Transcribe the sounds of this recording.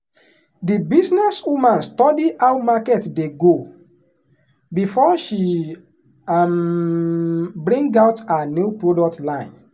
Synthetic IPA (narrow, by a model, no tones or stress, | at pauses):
dibisnɛswumãnstɔdiaʊmakɛtdeɡo | bifɔʃi | am | bɾĩŋɡaʊtanupɹodɔk̚tlãɪ̃n